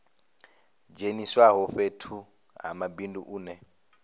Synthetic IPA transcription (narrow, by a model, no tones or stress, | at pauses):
d͡ʒeniswaɦɔɸetʰu | ɦa̰mabindṵʔuːnɛ